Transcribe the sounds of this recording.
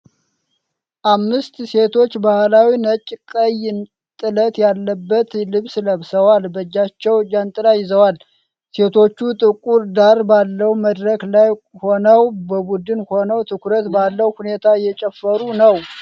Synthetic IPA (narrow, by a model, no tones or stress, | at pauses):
ʔamːɨst̪se̞t̪ʰo̞t͡ʃːbahlawinət͡ʃʼːkʼəjn | t̪ʼɨlət̪jalːəbːət̪lɨβsləβsəwalbəd͡ʒːat͡ʃːɛwd͡ʒant̪ʼɨlajɪzəwal | se̞t̪ʰo̞t͡ʃːut̪ʼɨkʼuɾd̪aɾbalːəwuməd̪ɾəklaj | ho̞nəwbəbud̪ɨnho̞nəwt̪ʰɨkʰuɾət̪balːəwhune̞t̪ʰajːɛt͡ʃʼɛfːəɾunəw